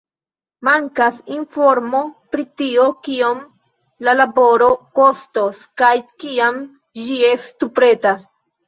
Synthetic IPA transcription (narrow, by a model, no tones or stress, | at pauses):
maŋkasinfo̞ɾmo̞pɾitio̞kiom | lalabo̞ɾo̞ko̞stoskajkiam | d͡ʒie̞sttupɾe̞ta